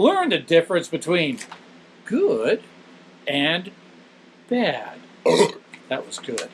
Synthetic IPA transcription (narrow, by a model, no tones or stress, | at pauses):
lɜ̃˞ndɨdɪfɹɨ̃nsb̥ɨtʰw̥ĩn | ɡ̥ʊd | ɨ̃n | b̥æd̥ | ðɨʔ̚wʌzɡʊd̥